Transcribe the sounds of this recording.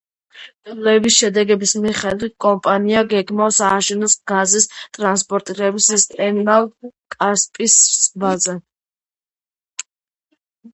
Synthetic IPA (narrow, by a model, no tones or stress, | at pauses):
dlɛbisʃɛd̪ɛɡɛbismiχɛd̪wit̪̚kʼɔmpʼaniaɡɛɡmasaːʃɛnɔsɡ̥azist̪ʼɾanspʼɔɾt̪ʼiɾɛbisɛst̪ʼɛnalˠkʼaspʼisɾsʼvazɛ